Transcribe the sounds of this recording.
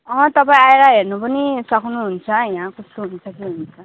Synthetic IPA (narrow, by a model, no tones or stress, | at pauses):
ʌ̃t̪ʌpaĩaeɾaɦernupʌnisʌkʰnuɦunt͡sʰʌjãkʌst̪oɦunt͡sʰʌkiɦunt͡sʰʌ